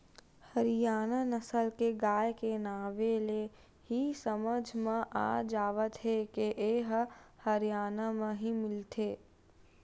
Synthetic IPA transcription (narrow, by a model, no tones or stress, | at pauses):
hɐɾɪjaːnanɐsəlkeɡaːjkenaːʋele | ɦisəməd͡ʒʱmẽʔa̰ːd͡ʒaːʋət̪ɦekeʔeːɦhɐɾijaːnamẽɦimɪlt̪ʰeː